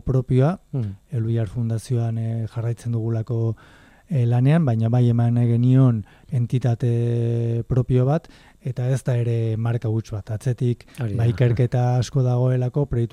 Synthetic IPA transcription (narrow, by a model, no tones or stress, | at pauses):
pɾo̞pio̞aeluiaɾfund̪asio̞anʝarajt͡se̞nd̪uɣ̞ulako̞ | lane̞ambajɲaβaje̞maneɣenio̞n | e̞nt̪it̪at̪e̞pɾo̞pio̞β̞at̪ | e̞t̪ae̞zt̪ae̞ɾe̞maɾkaβut͡ʃβat̪at͡se̞t̪ikbaike̞ɾke̞t̪aːsko̞ðaɣ̞o̞e̞lako̞pɾe̞jt̪